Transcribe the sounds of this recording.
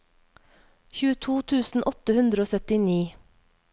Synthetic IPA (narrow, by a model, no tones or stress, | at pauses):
çʉːət̪ʰuːt̪ʰʉːsn̩ʔɔt̪əhʉnd̪ɾəoːsœt̪ɪniː